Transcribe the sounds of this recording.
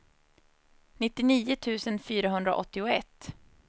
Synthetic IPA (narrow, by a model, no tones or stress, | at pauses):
nɪt̪ːɪniːʊt̪ʰʉ̟ːsənfyːɾaɦɵnd̪ɾa̰ʔɔ̰t̪ːɪʊɛt̪ː